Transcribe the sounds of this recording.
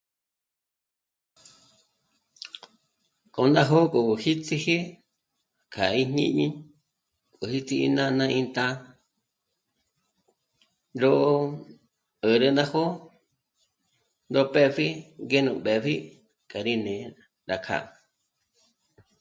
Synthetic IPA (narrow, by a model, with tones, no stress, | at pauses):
kʼo˨ndã˦ɦo˦kʼo˨hi˦t͡si˧he˦ | kʰa˨ĩ˦ɲɲḭ̃˦ʔɲĩ˦ | ko˨hi˦t͡si˧ḭ˧nã˦˧nã˧ʔĩ˧nt̪a˦ | ɾo˦ʔ | ə˨ɾə˧nd̪ã˦ho˦ | nd̪o˧pe˦fi˦ɡe˦nũ˧˨ɓe˨ɸi˦ | kʼa˨ɾi˦nẽ˧ | ɾa˧kʰa̰˦˨ʔ